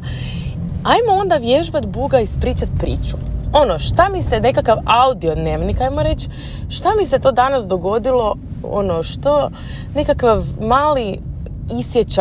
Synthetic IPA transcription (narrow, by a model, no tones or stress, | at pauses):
ajmoo̞nd̪aʋjeʒbat̪buɡaispɾiːt͡ɕat̪pɾḭːt͡ʃu̥o̞noʃt̪amise̞ne̞kakaʋaud̪io̞d̪ne̞ːʋnikajmoɾe̞t͡ɕ | ʃt̪amise̞t̪o̞ːd̪anasd̪o̞ɡo̞d̪ilo̞o̰noʃt̪o | ne̞kakʋaʋmaːli | isjet͡ɕa